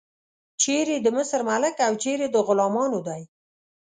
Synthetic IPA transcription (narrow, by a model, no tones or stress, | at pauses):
t͡ʃeɾed̪əmʊsəɾmalɪkawt͡ʃeɾed̪əɣʊlɑmɑnod̪ɑj